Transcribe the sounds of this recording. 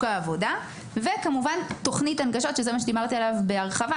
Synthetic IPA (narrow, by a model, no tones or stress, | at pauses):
kaːvoda | ve̞kamuvanto̞χnitanɡaʃo̞tʃezemaʃed̪imaʁt̪ialavbe̞aʁχava